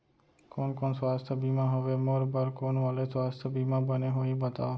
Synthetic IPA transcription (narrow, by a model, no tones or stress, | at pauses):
koːnkoːnsʋaːst̪ʰəbʱimãɦəʋemoɾbəɾkoːnʋəlesʋaːst̪ʰəbʱimãːbəneɦoĩbət̪a̰ːo